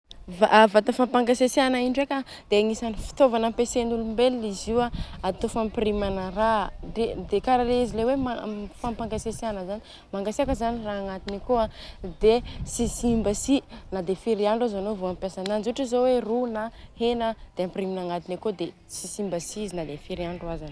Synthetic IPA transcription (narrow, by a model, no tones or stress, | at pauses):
vavat̪əfampaŋɡasesianaiɳɖ͡ʐeka | d̪̥eaŋisanifi̥t̪ovanampesenulumbeliiziwaat̪ofampirimanəraded̪ekaɾaleizilewemafampaŋɡasesianəzani̥ | maŋɡaseakəzaniraaŋat̪inikoad̪esisimbəsinad̪efiɾiaɳɖ͡ʐazanovoampjasananzuʈ͡ʂizowerunahenəd̪̥eampiriminaŋat̪inekod̪e | sisimbəsiizinad̪efiɾiaɳɖ͡ʐuazan